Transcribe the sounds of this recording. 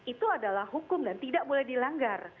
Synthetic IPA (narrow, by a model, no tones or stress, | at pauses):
it̪uadalahɦukʊmdant̪idaʔ̚bolɛhdilaŋɡar